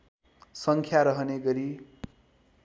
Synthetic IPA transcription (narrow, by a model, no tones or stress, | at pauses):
sʌŋkʰjaɾʌɦʌneɡʌɾi